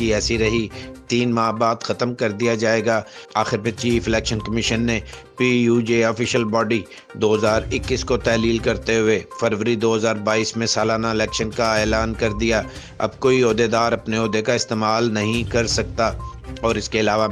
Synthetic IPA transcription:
iɛːsiɾɐɦit̪iːnmaːɦbaːd̪xɐt̪mkɐɾd̪ijad͡ʒaːeːɡaː | aːxɪɾmẽt͡ʃiːfɪlɛːkʃənkɐmɪʃənːe | pijuːd͡ʒeːɔːfɪʃəlbɔːɖi | d̪oːɦɐzaːɾɪkːiːskot̪ɛːliːlkɐɾt̪eɦʊefɐɾʋəɾid̪oːɦɐzaːɾbaːiːsmẽsaːlaːnaɪlɛːkʃənkaeːlaːnkɐɾd̪ija | ɐ̰b̚koːiɔːd̪ed̪aːɾɐpneɔːd̪ekaɪst̪eːmaːlnɐɦĩkɐɾsɐk̚t̪aɔːɾɪskeɪlaːʋa

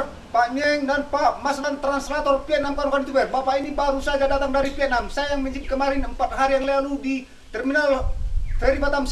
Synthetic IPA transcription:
pamiɛŋdanpaʔmaslant̪ɾanslat̪ɔrpiɛnamkakanit̪ubɛrbapainibaɾusad͡ʒadat̪aŋdaɾipiɛt̪̚namsajajaŋməɲd͡ʒip̚kəmaɾɪnəmpat̪̚ɦaɾijaŋlialudi | t̪ɛrminalfɛɾibat̪am

